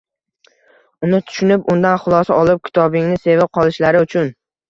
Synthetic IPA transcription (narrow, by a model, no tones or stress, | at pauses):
ʊnɪt̪ʰʊ̥ʃʊnɪpʊnd̪anχʊlˠɒsaɒlˠɪp̚kʲʰɪ̥t̪ʰɒbɪŋnɪse̞vɪp̚qʰɒlˠɪʃlaɾɪʊt͡ʃʰʊn